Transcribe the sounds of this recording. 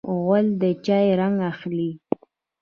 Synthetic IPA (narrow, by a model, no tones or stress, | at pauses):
ɣald̪ət͡ʃɑjɾaŋɡaxli